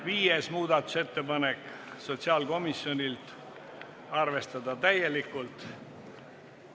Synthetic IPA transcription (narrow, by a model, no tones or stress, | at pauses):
viːjesmuːd̪̥ɑt̪ːˑu̥se̞t̪ːe̞pɑne̞kːˑso̞t̪ʲsiɑlko̞misjo̞nʲilt̪ | ɑrve̞st̪ɑd̪̥ɑt̪æje̞likːˑult̪